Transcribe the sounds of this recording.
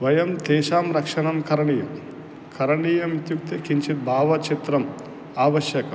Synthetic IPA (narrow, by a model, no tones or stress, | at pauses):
ʋɐjɐmt̪ɛːʃaːmɾɐkʂɐɳɐmkʰɐɾɐɳijɐm | kʰɐɾɐɳiːjɐmit̪juk̚t̪ɐkiɲt͡ʃit̪̚bʱaːʋɐt͡ʃit̪ɾɐm | aːʋɐʃjɐkɐ